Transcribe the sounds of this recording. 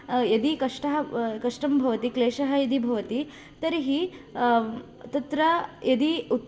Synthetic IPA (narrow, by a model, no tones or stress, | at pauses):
jɐd̪ikɐʂʈɐɦɐkɐʂʈɐmbʱɐʋɐt̪ikleːʃɐɦɐjɐd̪ibʱɐʋɐt̪i | t̪ɐɾiɦi | t̪ɐt̪ɾɐjɐd̪iut̪ː